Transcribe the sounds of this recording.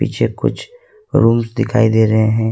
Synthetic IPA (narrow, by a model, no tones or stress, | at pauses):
ḭːt͡ʃʰekʊ̰t͡ʃʰ | ɾuːmsd̪ɪkʰa̰ːid̪eːɾɐɦeɦɛ̃ː